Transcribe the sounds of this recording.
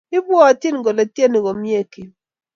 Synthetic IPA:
ɪ˦bwɔ˦a˨ti˦n˨ɡɔ˨le˨te˦ni˨ɡɔ˨mje˦ki˨

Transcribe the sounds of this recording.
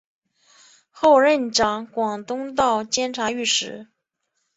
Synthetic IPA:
xo˥˧ʊɻə˥˩nʈ͡ʂɑ˨˩˦ŋkwɑ˨˩ŋt̪ʊ˥ŋt̪ɑ˥˩ʊt͡ɕjɛ˥nʈ͡ʂʰa˧˥y˥˩ʂɻ̩˧˥

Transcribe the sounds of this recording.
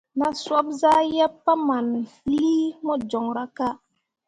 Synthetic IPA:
na˨swa˦bza˦jɛ˦pːa˦ma˨nliː˦mɔ˦d͡ʒɔ˨ŋɾa˨ka˦

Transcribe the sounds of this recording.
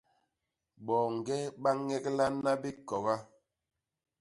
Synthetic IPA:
ɓɔː˨ŋ˨ɡɛ˦ɓa˦ŋɛ˦kla˦na˦bi˦kɔ˨ɣa˦

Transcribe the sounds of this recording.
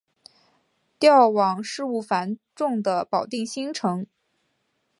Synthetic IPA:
t̪jɑ˥˩ʊwɑ˨˩ŋʂɻ̩˥˧u˥˩fa˧˥nʈ͡ʂʊ˥˩ŋd̪ə˩pɑ˨˩ʊt̪i˥˩ŋɕi˥ŋʈ͡ʂʰɤ˧˥ŋ

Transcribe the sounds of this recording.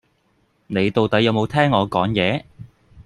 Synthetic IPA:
ne˨˧jt̪o˨wt̪ɐ˨˥jɐ˨˧wmo˨˧wt̪ʰɛː˥ŋːɔː˨˧kɔː˨˥ŋjɛː˨˧

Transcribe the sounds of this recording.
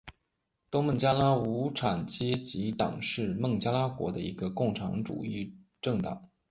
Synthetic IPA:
t̪ʊ˥ŋmə˥˩nt͡ɕja˥la˥u˧˥ʈ͡ʂʰa˨˩nt͡ɕjɛ˥t͡ɕi˧˥t̪ɑ̰˨˩ŋʂɻ̩˥˧mɤ˥˩ŋt͡ɕja˥la˥kwɔ̰˧˥d̪ə̰˧i˧˥ɡə˧kʊ˥˩ŋʈ͡ʂʰɑ̰˧˥ŋʈ͡ʂṵ˨˩i˥˧ʈ͡ʂɤ˥˩ŋt̪ɑ̰˨˩˦ŋ

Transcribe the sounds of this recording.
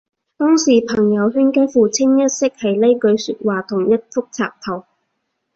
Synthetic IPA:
t̪ɔː˥ŋsiː˨˩pʰɐ˨˩ŋjɐ˨˧wɦyː˥nkaː˥fuː˨t͡sʰɪ˥ŋjɐ˥t̚sɪ˥k̚hɐ˨jle˥jkɵ˨˧ɥsyː˧t̚waː˨t̪ʰʊ˨˩ŋjɐ˥t̚fʊ˥k̚t͡sʰa̰ː˨p̚t̪ʰɐ˨˩w

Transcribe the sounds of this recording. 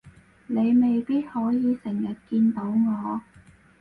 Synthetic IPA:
ne˨˧jme˨jpiː˥t̚hɔː˨˥jiː˨˧sɪ˨˩ŋjɐ˨t̚kiː˧nt̪o˨˥wŋɔː˨˧

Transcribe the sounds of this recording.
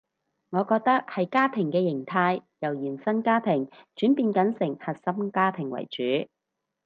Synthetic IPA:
ŋɔː˨˧kɔː˧k̚t̪ɐ˥k̚hɐ˨jkaː˥pʰɪ˨˩ŋkɛː˧jɪ˨˩ŋt̪ʰaː˧jjɐ˨˩wjiː˨˩nsɐ˥nkaː˥pʰɪ˨˩ŋt͡ʃyː˨˥npiː˧nkɐ˨˥nsɪ˨˩ŋhɐ˨t̚sɐ˥mkaː˥pʰɪ˨˩ŋwɐ̰˨˩jt͡ʃyː˨˥

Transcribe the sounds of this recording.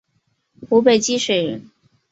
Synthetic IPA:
xu˧˥pe˨˩ɪt͡ɕi˥ʂwe˨˩ɻn

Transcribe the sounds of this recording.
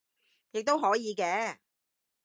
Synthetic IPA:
jɪ˨k̚t̪o˥wɦɔː˨˥jiː˨˧kɛː˧˥

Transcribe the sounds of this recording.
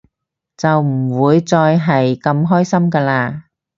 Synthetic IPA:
t͡sɐ˨wm̩˨˩wuː˨˧jt͡sɔː˧jɦɐ˨jkɐ˧mɦɔː˥jsɐ˥mkaː˧laː˧

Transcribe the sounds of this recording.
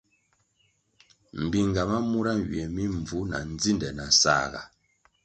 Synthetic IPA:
m̩˨bi˨ŋ˨ɡa˨ma˦mu˦ɾa˦ɥɥɛ˨mi˦ɱ˨vu˨˦na̰˨n˦d͡zi˦ndɛ˨na˨sa̰ː˦ɣa̰˨

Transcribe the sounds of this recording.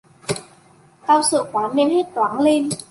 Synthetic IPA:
kaː˧wsɨ̰˧˨kwaː˨˦nne˧he˦˥t̚t̪waː˨˦ŋle˧n

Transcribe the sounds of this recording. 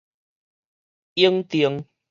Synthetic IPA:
i˦əŋt̪i˨˦ə˦ŋ

